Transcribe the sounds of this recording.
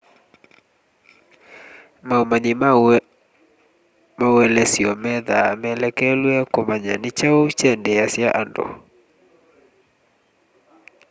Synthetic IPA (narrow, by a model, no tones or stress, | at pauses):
maumaɲi | mawɛlɛsiɔmɛðamɛlɛkɛlwɛkomaɲanɪt͡ʃaout͡ʃɛndɛasjaʔandɔ̰